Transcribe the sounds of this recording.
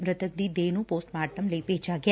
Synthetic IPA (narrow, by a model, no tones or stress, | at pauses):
mɾət̪ʰək̚d̪id̪eːnũpoːsʈmaːʈəmleiped͡ʒaɡj